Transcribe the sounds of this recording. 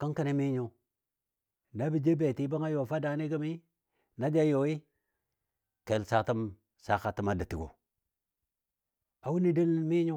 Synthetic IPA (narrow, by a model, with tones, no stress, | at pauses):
ka˦ŋka˨ni˨mi˦ɲo˨ | na˦bi˨d͡ʒe˦be˨ti˦ba˦ŋa˦jo˨fa˦da˨ni˦ɡa˦mi˦ | na˦d͡ʒa˦jo˨i˦ | ke˨lsa˦ta˦m | sa˦˨xa˨ti˦ma˦da˨ti˨ɡo̰˨ | a˨wu˦ni˦de˦lmi˦ɲo˦